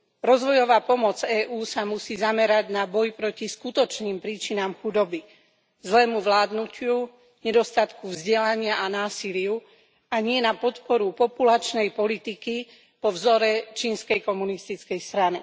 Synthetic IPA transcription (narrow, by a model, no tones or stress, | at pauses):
ɾɔzʋɔjɔʋaːpɔmɔd͡zɛːʔuːsamusiːzamɛɾaɟnabɔjpɾɔciskut̪ɔt͡ʃniːmpɾiːt͡ʃinamxud̪ɔbi | zlɛːmuʋlaːd̪nucɪu | ɲɛd̪ɔst̪at̪kuvzɟɛlaɲɪaʔanaːsilɪu | aɲɪɛnapɔt̪pɔɾupɔpulat͡ʃnɛjpɔlit̪iki | pɔvzɔɾɛt͡ʃiːnskɛjkɔmunist̪it͡skɛjst̪ɾani